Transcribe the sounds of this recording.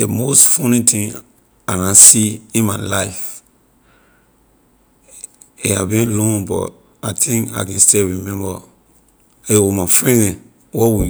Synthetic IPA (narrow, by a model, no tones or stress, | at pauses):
əmostfɔ̃nĩtʰĩŋ | akãnsiĩnmaɪlaɪf | iha̰bĩnlɔ̃nbɔ̰t | aɪtʰĩŋka̰ɪkɛ̃nstiɹimɛ̃mbə | eɔmafɹɛ̃nd | wɔwi